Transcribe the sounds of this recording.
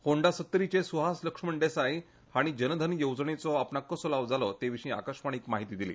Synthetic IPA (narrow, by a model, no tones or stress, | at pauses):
hoɳɖasət̪ːɾit͡ɕesuɦasləkʂməɳɖesaj | haɽ̃id͡ʑənəd̪ʱənjowd͡zɳet͡sɔapnakːəsolaʋd͡zalɔt̪eʋiʂĩːa̰kəʂmaɽ̃ikmaɦit̪iːd̪ilḭː